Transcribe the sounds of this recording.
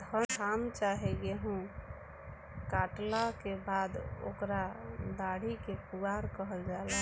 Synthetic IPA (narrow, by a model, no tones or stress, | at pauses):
d̪ʱəamt͡ʃaɦɛɡeɦũ | kaʈlakebad̪o̰kɾad̪aɽikepuɡaɾkəɦəld͡ʒala